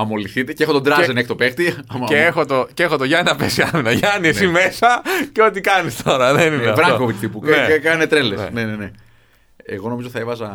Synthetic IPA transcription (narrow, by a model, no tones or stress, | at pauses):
ɐmo̞liθit̪eceexot̪od̪ɾɐzenexi̥t̪o̞pext̪iɐmɐeexot̪oceexot̪oʝɐninɐpesiɐminɐʝɐniesimesɐceo̞t̪ikɐnist̪ʰo̞ɾɐðenineɐfvɾɐŋkovit̪t̪ipuneekɐnet̪ɾelesnenene | ḛɣo̞noiot̪iθɐevɐzɐ